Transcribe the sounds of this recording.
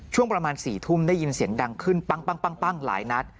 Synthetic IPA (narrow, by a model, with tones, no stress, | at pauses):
t͡ɕʰu˥˩əpɾa˧maː˧nsiː˨˩t̪ʰu˥˩mda˥˩jːi˧nsi˨˩˦ənda˧ŋkʰɯ˥˩npa˥˩ŋpa˥˩ŋpa˥˩ŋpa˥˩ŋla̰ː˩˦jna˦˥t̪̚